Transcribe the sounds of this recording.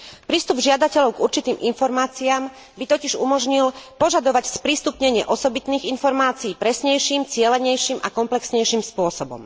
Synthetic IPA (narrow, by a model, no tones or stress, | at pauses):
pɾiːst̪ubʒɪad̪acɛʎɔʊɡuɾt͡ʃit̪iːminfɔɾmaːt͡siaːm | bit̪ɔciʒumɔʒɲilpɔʒad̪ɔʋacspɾiːst̪upɲɛɲɪɛʔɔsɔbit̪niːɣinfɔɾmaːt͡siːpɾɛsɲɛjʃiːmt͡sɪɛlɛɲɛjʃiːmʔa̰kɔmplɛksɲɛjʃiːmspʊɔsɔbɔ̰m